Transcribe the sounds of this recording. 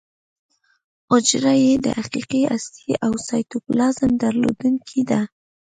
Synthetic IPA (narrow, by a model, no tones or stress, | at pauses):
ʊd͡ʒɾajed̪ə̰haqiqiast̪iʔawsɑjt̪opəlɑzɪmd̪aɾlo̰d̪uŋkʰid̪a